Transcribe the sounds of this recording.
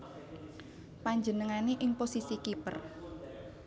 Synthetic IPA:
paɲd͡ʒənəŋaneʔɪŋposisikipə̰r

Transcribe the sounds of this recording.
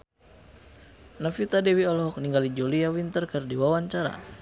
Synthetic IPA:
nafit̪adɛwiɔlɔɦɔk̚niŋɡalid͡ʒoliawint̪ərkɨrdiwawaɲt͡ʃaɾa̰

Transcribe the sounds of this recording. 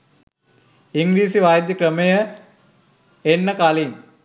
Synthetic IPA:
iŋɡɾiːsiʋaːjd̪jikɾəməjə | enːəkaliŋ

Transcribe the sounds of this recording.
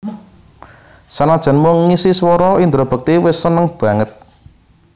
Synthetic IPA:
sanad̥ʒ̥a̤nmʊŋːisiswɔɾɔind̪ɾob̥ə̤k̚t̪iwɪsːənəŋb̥ä̤ŋət̪̚

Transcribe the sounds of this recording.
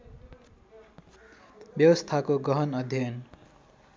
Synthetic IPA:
bjʌwʌst̪ʰakoɡʌɦʌnʌd̪ʱjʌn

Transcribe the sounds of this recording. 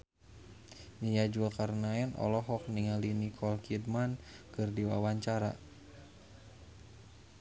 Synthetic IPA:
ɲijad͡ʒuakaɾnaɛnʔɔ̰lɔɦɔk̚niŋalinikʰɔlkid̚mankɨrdiwa̰waɲt͡ʃaɾa̰

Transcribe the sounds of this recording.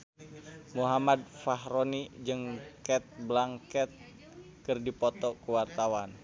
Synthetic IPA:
muɦamad̪̚faɦɾonid͡ʒɨŋkɛt̪̚blaŋkɛt̪̚ | kɨrdipɔt̪ɔkuwart̪awan

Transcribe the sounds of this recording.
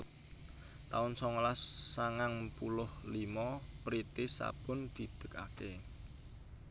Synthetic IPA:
t̪aʊnsɔŋlasːaŋaŋpulʊhlimɔpɾit̪ɪsa̰b̥ʊnd̪̥i̤d̪̥ə̤̥ka̰ke

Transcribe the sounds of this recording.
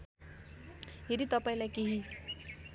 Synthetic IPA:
ɦeɾit̪ʌpaĩlajkeɦi

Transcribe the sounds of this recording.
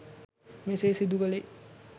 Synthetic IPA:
mesesid̪ukale

